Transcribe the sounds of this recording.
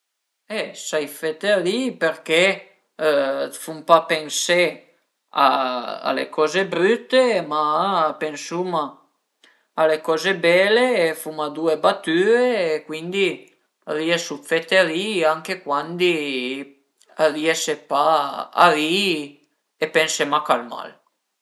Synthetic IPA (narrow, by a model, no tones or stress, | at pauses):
esajfet̪eɾipeɾke | fumpapense | a̰a̰lḛkɔzebɾyt̪ːemapensuma | lekɔzebɛleːfumad̪uebat̪yɾeːkwind̪i | riesufet̪eɾiaŋkekwand̪i | ariesepaa̰ɾi | epensemakalma̰l